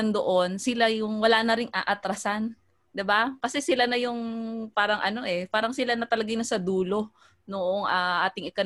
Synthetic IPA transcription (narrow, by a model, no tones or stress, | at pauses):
ɐnd̪oʔo̞nsɪlajʊŋwɐlaːnɐɾɪŋʔa̰ʔɐt̪ɾɐsan | d̪ɪbakɐsɛsɪlanɐjʊŋpaːɾɐŋʔɐno̞ʔɛpaːɾɐŋsɪlanɐt̪ɐlɐɡajnɐsɐd̪uːlo̞ | noʔoŋʔaːʔaːt̪ɪŋɪkɐ